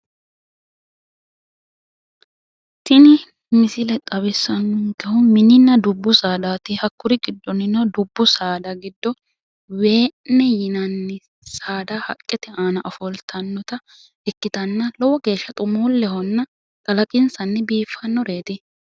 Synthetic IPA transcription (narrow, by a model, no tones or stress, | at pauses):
tɪnɪ | mɪsɪlɛt̪ʼɐbɪsːɐnːʊŋkɛhʊmɪnɪnːɐd̪ʊbːʊsaːd̪aːt̪ɪhɐkːʊɾɪɡɪd̪ːɔnɪnɔd̪ʊbːʊsaːd̪ɐɡɪd̪ːɔ | we̞ːnːɛjɪnɐnːɪ | saːd̪ahɐ̰kʼːɛt̪ɛʔaːnɐʔɔfɔlt̪ʰɐnːɔt̪ɐ | ɛkːɪt̪ɐnːɐlɔwɔɡe̞ːʃːɐt̪ʼʊmuːlːɛhɔnːɐ | kʼɐlɐkʼɪnsɐnːɛbiːfːɐnːɔɾeːt̪ɪ